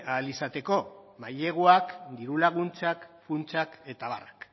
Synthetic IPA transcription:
alisat̪e̞ko̞maje̞ɣ̞uakd̪iɾulaɣunt͡sakfunt͡sake̞t̪aβarak

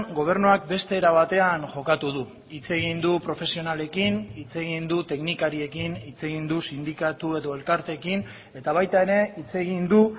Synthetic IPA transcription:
ɡo̞β̞e̞ɾnuak̚be̞st̪e̞ːɾaβ̞at̪e̞aŋʝo̞kat̪uðu | it͡se̞ɣ̞ind̪upɾo̞fe̞sio̞nale̞kinit͡se̞ɣind̪ut̪e̞knikaɾie̞kinit͡se̞ɣind̪usind̪ikat̪ue̞ðo̞e̞lkaɾt̪e̞kin | e̞t̪aβajt̪ae̞ɾe̞it͡se̞ɣind̪u

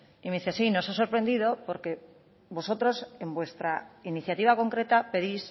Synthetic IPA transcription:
imeiθeasino̞saso̞ɾpɾe̞nd̪iðo̞po̞ɾke̞ | βo̞so̞t̪ɾo̞se̞mbwe̞st̪ɾainiθjat̪iβ̞akõ̞ŋkɾe̞t̪ape̞ðis

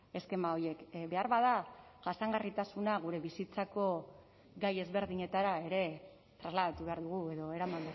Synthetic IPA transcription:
e̞ske̞mao̞je̞kbe̞aɾβaðaʝasaŋɡarit̪asunaɣ̞uɾe̞βisit͡sako̞ | ɡaje̞zβe̞ɾðiɲe̞t̪aɾae̞ɾe̞ | t̪ɾazlaðat̪uβe̞aɾðuɣ̞ue̞ðo̞e̞ɾamand̪u

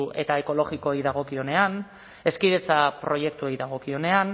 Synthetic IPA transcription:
e̞t̪aeko̞lo̞ɣiko̞ejðaɣ̞o̞kio̞ne̞an | e̞skiðet͡sapɾo̞je̞kt̪uejðaɣ̞o̞kio̞ne̞an

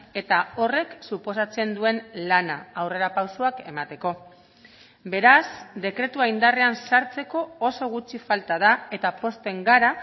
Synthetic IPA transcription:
e̞t̪ao̞re̞ksupo̞sat͡se̞nd̪ue̞nlanaːwre̞ɾapawsoake̞̰mat̪e̞ko̞ | be̞ɾazd̪e̞kɾe̞t̪uajnd̪areansaɾt͡se̞ko̞oso̞ɣ̞ut͡ʃifalt̪að̞ae̞t̪apo̞st̪e̞ŋɡaɾa

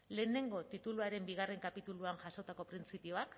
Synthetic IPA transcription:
le̞ːne̞ŋɡo̞t̪it̪uluaɾe̞mbiɣ̞are̞ŋkapit̪uluaŋʝaso̞t̪ako̞pɾint͡sipio̞ak

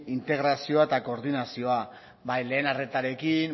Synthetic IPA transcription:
int̪e̞ɣɾasio̞aet̪ako̞ɾðinasio̞a | bajle̞ːnare̞t̪aɾe̞kin

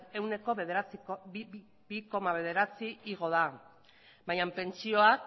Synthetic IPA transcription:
e̞wne̞ko̞βeðeat͡si | biko̞maβe̞ð̞e̞ɾat͡siiɣ̞o̞ða | bajampe̞nt͡sio̞ak

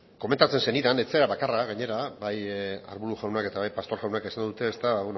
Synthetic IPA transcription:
kome̞nt̪at͡se̞nse̞niðane̞t͡seɾaβakaraɣaɲe̞ɾabaja̰ɾβuɾuʝawnake̞t̪aβajpast̪o̞ɾɣawnakesanɡ̪od̪ut̪e̞ːst̪aβaβon

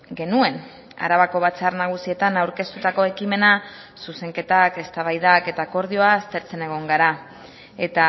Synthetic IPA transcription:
ɡe̞nue̞n | a̰ɾaβako̞βat͡sarnaɣ̞usie̞t̪anawɾke̞st̪ut̪ako̞e̞kime̞na | suse̞ŋke̞t̪ake̞st̪aβajðake̞t̪ako̞ɾð̞io̞aːst̪e̞ɾt͡se̞ne̞ɣ̞o̞ŋɡaɾa | e̞t̪a

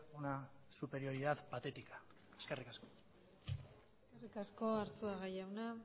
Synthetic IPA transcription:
unasupe̞ɾio̞ɾiðaðpat̪e̞t̪ikḁ | eskerikasko | eskerikasko̞aɾt͡s̪uaɣajawna

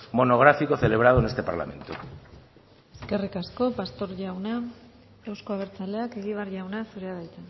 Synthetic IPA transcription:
mo̞no̞ɣ̞ɾafiko̞θe̞le̞β̞ɾað̞oenest̪e̞paɾla̰me̞̰nt̪u | e̞ske̞rikasko̞past̪o̞ɾʝawna | ewsko̞aβ̞e̞ɾt͡sale̞ake̞ɣiβ̞arʝawnasuɾeaðajt͡s̪e

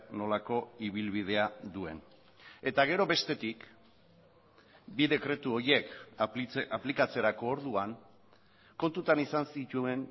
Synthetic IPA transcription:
no̞lako̞iβ̞ilβið̞e̞aðue̞̰n | e̞t̪aɣ̞e̞ɾo̞βe̞st̪e̞t̪ik | biðe̞kɾe̞t̪uo̞je̞k | ʔaplikat͡se̞ɾako̞ːɾðuaŋ | ko̞nt̪ut̪anisansit̪uen

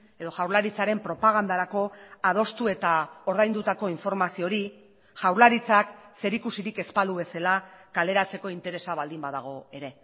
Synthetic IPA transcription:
e̞ðo̞ʝawɾlaɾit͡saɾe̞mpɾo̞paɣ̞and̪aɾako̞að̞o̞st̪ue̞t̪ao̞ɾð̞ajnd̪ut̪ako̞iɱfo̞ɾmasio̞ɾi | ʝawɾlaɾit͡sakse̞ɾikusiɾike̞spald̪uβe̞selakale̞ɾat͡se̞ko̞int̪e̞ɾe̞saβald̪imbaðaɣ̞o̞e̞ɾe̞

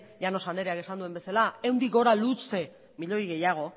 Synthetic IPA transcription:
ʝano̞sand̪e̞ɾeake̞sand̪ue̞mbe̞salaewnd̪iɣo̞ɾalut͡se̞ | miʎo̞jɣe̞jaɣ̞o̞

